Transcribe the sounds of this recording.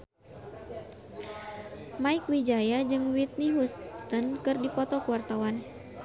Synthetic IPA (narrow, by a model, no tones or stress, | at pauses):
maikwid͡ʒajad͡ʒɨŋwit̪̚niɦust̪ənkɨrdipɔt̪ɔkuwart̪awan